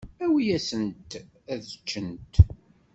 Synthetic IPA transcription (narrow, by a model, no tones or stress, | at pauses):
æwijæsənt̪ | æðət͡ʃːənt̪